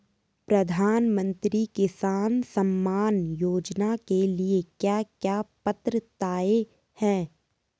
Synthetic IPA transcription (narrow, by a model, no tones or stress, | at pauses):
pɾɐd̪ʱaːnmə̃nt̪ɾikɪsaːnsəmːaːnjoːd͡ʒnakeliekjaːkjaːpət̪ɾət̪aːe | hɛ̃ː